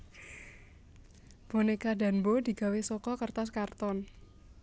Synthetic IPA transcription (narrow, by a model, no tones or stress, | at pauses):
b̥o̤nekaɖa̤nbod̪i̤ɡ̥a̤wesɔkɔkərt̪askart̪ɔn